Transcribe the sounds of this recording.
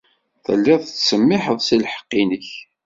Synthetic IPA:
θə̰lːɪðˤt͡sːsəmːɪħəðˤsilħə̥qːinəç

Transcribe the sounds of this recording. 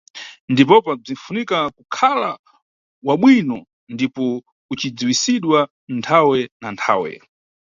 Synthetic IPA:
ndip̬ɔpab͡ʐin̩funikakukʰala | waɓwinɔ | ndipɔ | ut͡ʃid͡ziwisiɗwa | ntʰawɛnantʰa̰ːwɛ̰

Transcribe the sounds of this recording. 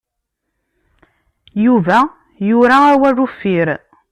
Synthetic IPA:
juvæ | jʊɾaːwærufːiɾ

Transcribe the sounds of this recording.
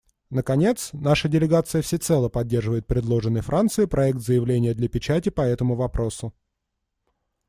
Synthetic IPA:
nəkɐnʲe̞t̪snaʂədʲɪlʲɪɡat̪sɨjəfsʲɪt̪sɛlˠəpɐdʲːe̞rʐɨvəjɪt̪̚pɾʲɪd̪lˠo̞ʐɨnːəjfɾʔant̪sɨɪpɾʔɐɛk̚t̪zəjɪvlʲenʲɪjəd̪lʲɐpʲɪt͡ɕætʲɪpɐɛt̪əmʊvɐpɾʔo̞sʊ

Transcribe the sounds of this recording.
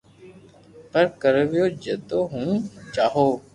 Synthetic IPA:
pəɾkəɾʋɪjoːd͡ʒət̪oːɦũːt͡ʃaːɦoː

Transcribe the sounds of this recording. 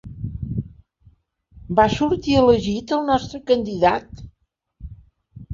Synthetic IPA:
basuɾt̪iələʒit̪əlˠnɔst̪ɾəkənd̪iðat̪

